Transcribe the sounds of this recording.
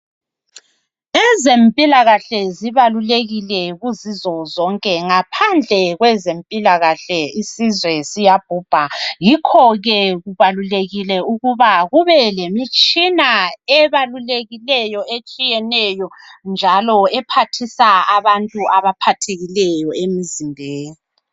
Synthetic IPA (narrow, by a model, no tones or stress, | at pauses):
ɛzempʼilaɣaɬɛziβaluleɣilɛɣuzizɔzɔŋkʼɛŋapʰand͡ɮʱɛɣwɛzempʼilaɣaɬɛisizwɛsijab̥ʱuːb̥ʱaɣikʰɔɣɛɣuβaluleɣilɛuɣuβaɣuβɛlemit͡ʃʼinaɛβaluleɣilɛjɔet͡ʃʼijɛnɛjɔ | nd͡ʒʱalɔɛpʰatʰisaaβantʼuaβapʰatʰeɣilɛjɔemizindʱeːni